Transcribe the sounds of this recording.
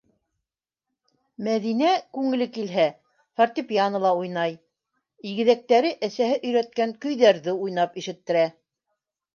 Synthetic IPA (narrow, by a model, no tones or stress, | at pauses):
mæðinækʉŋɘ̆lɘkilɦæ | faɾt̪ʲipʲjanɤ̆lˠɑujnɑj | iɡɘ̆ðæk̚t̪æɾɘʔæsæhɘʔɵ̆jɾæt̪̚kæŋkɵ̆jðæɾðɘujnɑpiʃɘ̆t̪ːɘ̆ɾæ